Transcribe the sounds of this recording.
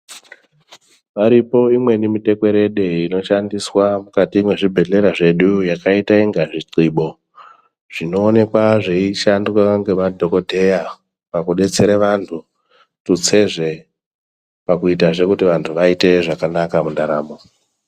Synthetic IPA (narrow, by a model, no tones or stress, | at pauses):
ʋaɾipo̞imwe̞nimite̞kwe̞ɾe̞ɗe̞ino̞ʃandiswamukatiːmwe̞ʐibʱe̞ɮe̞ɾaʐe̞ɗujakaitaiŋɡaʐiǀiɓo̞ | ʐ̥ino̞ːne̞kwaʐeiʃandwaŋɡe̞madʱo̞ko̞dʱe̞ja | pakuɗe̞t͡se̞ɾeʋantʰu | tut͡se̞ʐe̞ | pakuitaʐe̞kutiʋantʰuʋaite̞ʐakanakamundaɾaːmo